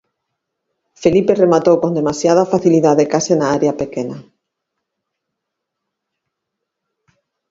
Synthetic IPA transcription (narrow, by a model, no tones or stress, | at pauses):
feliperemat̪owkond̪emasjað̞afaθiliðaðekasenaaɾeapekena